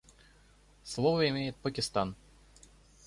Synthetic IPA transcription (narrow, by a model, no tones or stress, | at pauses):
slˠovəɪmʲejɪt̪̚pəkʲɪst̪an